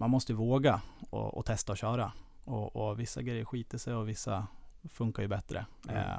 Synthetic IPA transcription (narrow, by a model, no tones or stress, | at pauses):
manmɔst̪əvoːɡaɔ̰ʔɔ̰t̪ʰɛst̪aɔɕœːɾa | ɔɔvɪsːa̰ɡɾɛjːəɾɧiːt̪əʂɛjɔvɪsːa̰fɵŋkajɵbɛt̪ːɾə̰